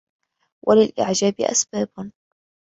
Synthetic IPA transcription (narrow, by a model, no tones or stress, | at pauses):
wʔalɪlʔɪ̰ʕd͡ʒaːbɪ̰ʔa̰sbaːb